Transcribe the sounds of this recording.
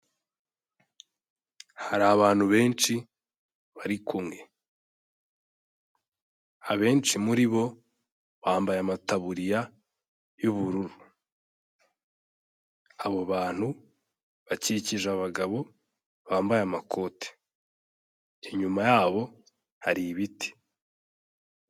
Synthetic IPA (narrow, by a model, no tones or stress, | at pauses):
haɾaːβaːn̥huβe̞ːnt͡ʃi | βaɾikʰumŋe̞ | aβe̞ːnt͡ʃimuɾiβo̞ | βaːmbajamataβuɾija | juβuɾuɾu | aβoβaːn̥hu | βaciciʒaβaɡaβo̞ | βaːmbajamakʰo̞ːte̥ | iɲumajaːβo̞ | haɾiβiti̥